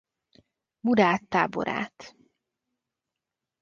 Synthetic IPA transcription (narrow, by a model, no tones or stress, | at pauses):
bud̪aːt̪ːaːbo̰ɾa̰ːt̪